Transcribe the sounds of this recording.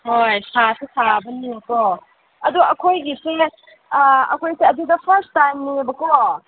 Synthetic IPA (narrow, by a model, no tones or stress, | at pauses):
hojsasesabɐnikɔ | ɐduɐkʰojɡise | ɐ̰kʰojseɐdid̪ɐpʰɐɾstajmnibɐkɔ